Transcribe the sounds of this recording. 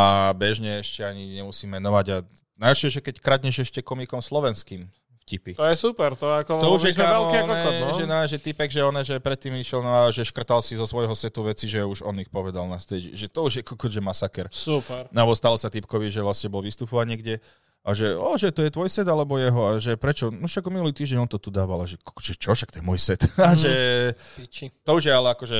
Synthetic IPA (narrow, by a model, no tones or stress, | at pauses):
abɛʒɲɛɛʃcɛaɲiɲɛmusiːmːɛnɔʋaɟa | najlʃɛʒɛkɛckɾad̪ɲɛʒɛʃcɛkɔmikɔmslɔʋɛnskiːm | fcipit̪ɔjɛsupɛɾt̪ɔɛakɔt̪ɔuʒjɛkaɔnɛʒɛnaɛʒɛt̪ipɛɡʒɛɔnɛʒɛpɾɛt̪ːiːmiʃjɛlnɔaʒɛʃkr̩t̪alsizɔsʋɔjɦɔsɛt̪uʋɛt͡siʒɛuʒɔ̰nixpɔʋɛd̪alnast̪ɛɟʒɛt̪ɔuʒjɛkʰɔkɔʒɛmasakɛɾsupɛɾnabɔst̪alɔsat̪ipkɔʋiʒɛʋlasɲɛbɔlʋist̪upɔʋaɲiɛɡɟɛ | ʔaʒɛɔʒɛt̪ɔjɛt̪ʋɔjsɛd̪alɛbɔjɛɦɔaʒɛpɾɛt͡ʃɔnuʃaɡɔminuliːt̪iːʒɟɛɲɔnt̪ɔt̪ud̪aːʋalaʒɛkɔʒ̥ɛt͡ʃɔʃak̚t̪ɔjɛmɔjsɛt̪aʒɛ | t̪ɔuʒjɛalɛakɔʒɛ